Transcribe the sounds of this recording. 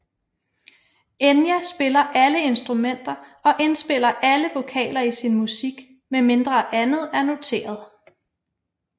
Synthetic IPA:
enjæsb̥e̝lɐʔæləe̝nsd̥ʁumen̰d̥ɐɒ̽ʔe̝nsb̥e̝l̰ɐʔæləʋo̝kʰɛ̰ːlɐisinmusiɡ̥ | meme̝nd̥ʁɐʔænð̞̩ˠæɐno̝t͡sʰe̝̰ːɐð̞ˠ

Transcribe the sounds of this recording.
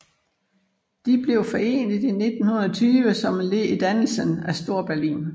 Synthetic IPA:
d̥ib̥le̝ʊfɒ̽e̝̰ːnəð̩ˠine̝d̥n̩hunɐɒt͡sʰyːʋəsɒ̽mle̝id̥ænl̩sənæsd̥o̝ɐ̰b̥æɐlḭːn

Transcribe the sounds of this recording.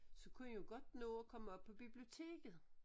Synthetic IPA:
sɒ̽kʰunəjoɡ̥ɒ̽d̥enoːkʰɒ̽məɒ̽b̥̚pʰɒ̽b̥ib̥lio̝t͡sʰe̝̰ːɡ̥ð̩ˠ

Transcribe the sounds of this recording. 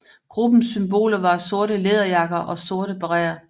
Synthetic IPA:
ɡ̥ʁub̥n̩symb̥o̝̰ːlɐʋɑ̈so̝ɐɾəleðˠɐjɑ̈ɡ̥ɐʔɒ̽so̝ɐɾəb̥ɑʁɛ̰ːɐ

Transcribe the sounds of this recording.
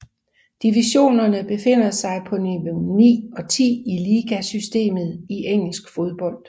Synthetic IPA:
d̥iʋiɕo̝̰ːnɐnəb̥e̝fe̝n̰ɐsɑ̈ɪpʰɒ̽nibənḭːɒ̽t͡sʰḭːiliːɡ̥æsysd̥e̝̰ːmð̞̩ˠiʔeŋ̰l̩sɡ̥fo̝ð̞ˠb̥ɒ̽l̰d̥

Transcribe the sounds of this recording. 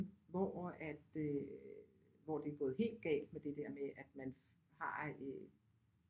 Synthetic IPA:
ʋɒæd̥ | ʋɒd̥e̝ɐɡ̥ɔ̽ːð̩ˠɦe̝̰ːld̥̚ɡ̥ɛ̰ːld̥med̥e̝d̥æɐ̰meʔæd̥mæn | hɑ̈

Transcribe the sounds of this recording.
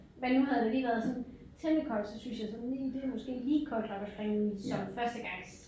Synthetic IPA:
mænuhæðˠd̥e̝liːʋæːɐð̞ˠsɒ̽n | t͡sʰem̥əkʰɒld̥sɒ̽synsjɑ̈ɪsɒ̽nid̥e̝mɒ̽sɡ̥e̝̰ːliːkʰɒld̥nɒ̽ɡ̥əsb̥ʁɛisɒ̽mfɶɐsd̥əɡ̥ɑ̈ŋ̰s

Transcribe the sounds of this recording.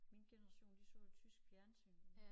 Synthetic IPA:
minɡ̥enəʁɑ̈ɕo̝̰ːnd̥iso̰t͡sʰysɡ̥fjæɐnsy̰ːn

